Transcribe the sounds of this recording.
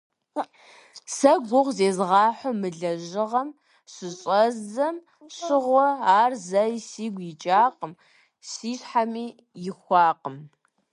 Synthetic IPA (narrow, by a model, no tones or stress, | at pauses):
sɐɡʷʊʁzeːzʁɑːħʷʊmɨɮɐʑɪʁɐm | ɕɪɕʼɐzɐm | ɕɪʁʷʊaːrzɐjsiːɡʷjɪt͡ʃʼaːqʼəm | siːɕħamiː | jɪxʷɑːqəm